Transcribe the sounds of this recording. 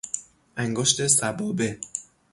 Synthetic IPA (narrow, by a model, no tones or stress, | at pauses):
ʔæŋɡoʃt̪ʰe̞sæbɒːbe